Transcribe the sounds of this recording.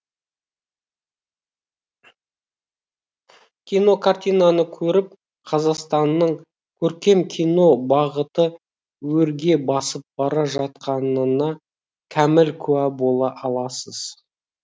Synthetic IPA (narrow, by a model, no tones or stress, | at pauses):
kʲʰijno̞kʰart̪ʲijnɑnəkʲʰɵɾɪp̚ | qʰɑzɑqst̪ɑnːəɴ | kʲʰɵɾkʲe̞mkʲʰijno̞bɑʁət̪ə | wɵɾɡʲe̞bɑsəp̚b̥ɑɾɑʒɑt̪̚qʰɑnənɑ | kʲʰæmɪlkʲʰʉæbo̞lˠɑʔɑlˠɑsəz̥